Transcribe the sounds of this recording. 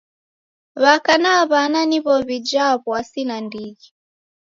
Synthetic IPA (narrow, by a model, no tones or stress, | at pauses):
βakanaβananiβɔβid͡ʒaβwasinandiɣi